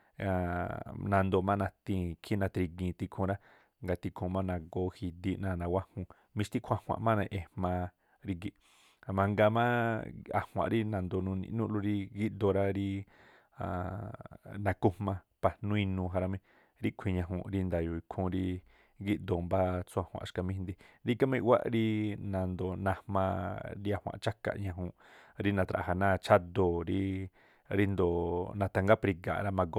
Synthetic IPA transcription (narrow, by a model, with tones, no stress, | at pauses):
a˨nã˧nd̪o˧˨mã˦˧nã˧t̪ĩ˧kʰi˦nã˧t̪ɾi˧ɡĩ˧t̪i˧kʰũ˧ɾa˦ | ŋɡa˧t̪i˧kʰõ˧mã˦nã˧ɡo˧hi˧d̪i˧ʔnã˧˨nã˨˧wa˦hũ˧ | mĩ˧ʃt̪i˦kʷʰã˧hw̃a̰˧˨ʔmã˦nã˧ʔe˧hmã˧ | ɾi˧ɡi˧˨ | a˧mã˧ŋɡa˧mã˦a̰˧˨hw̃ã̰˧˨ɾi˦nã˧nd̪o˧nũ˧nḭ̃˧ʔnũ˦ʔlu˧ɾi˧ɡi˦ʔd̪o˧ɾa˦ɾi˦ | a̰˧˨ | nã˧ku˧mã˧ | pa˨nũ˦ĩ˧nũː˧ɦa˧ɾa˧mĩ˧ | ɾi˦kʷʰĩ˧˨ɲã˧ɦṵ̃˧˨ɾi˧nd̪a˨jo˨i˧kʰũ˧ɾi˧ | ɡi˦ʔd̪o˨mba˦t͡su˧a˧˨hwã̰˨ʃka˧mĩ˧nd̪i˧ɾi˦ka˦mẽ˧wʷa̰˦ʔɾi˧nã˨nd̪o˨nã˧hmã˧ɾi˧a˨hwã̰˧˨t͡ʃa˦ka̰˧ʔɲã˧ɦũ˧˨ʔɾi˦nã˧t̪ɾa̰˨a˨nãː˦˨t͡ʃa˦d̪o˨ɾi˧ | ɾi˧nd̪o˨nã˧t̪a˧ŋɡa˦pɾi˧ɡa̰˨ɾa˧mã˧ɡo˦